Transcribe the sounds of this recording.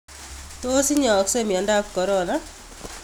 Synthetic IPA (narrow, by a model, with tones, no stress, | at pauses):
t̪o˦si˦ɲɔː˨kse˦mi˨a˨nda˦kkɔ˨ɾɔ˦na˦